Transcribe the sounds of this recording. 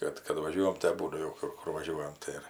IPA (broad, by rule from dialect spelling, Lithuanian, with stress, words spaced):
ˈkɐt kɐt ʋɐˈʒʲuɔjɛm tɐɪ ɐˈbuːdʊ ˈkʊr ˈkʊr ʋɐˈʒʲuɔjɛm ˈtɐɪ ɪr